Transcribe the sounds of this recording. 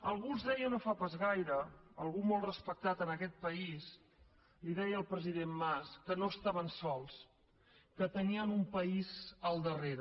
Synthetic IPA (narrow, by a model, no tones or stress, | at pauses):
əlˠɣunzðɛjənofapazɣajɾəəlˠɣumolˠrəspək̚t̪at̪ənəkɛt̪̚pəis | liðɛjəːlˠpɾəziðemːaskənoəst̪aβ̞ənsɔlˠs | kət̪əniəmumpəizəlˠd̪əreɾə